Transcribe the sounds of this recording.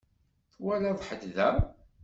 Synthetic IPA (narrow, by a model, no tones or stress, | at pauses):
θwælaðˤħəd̪ðæ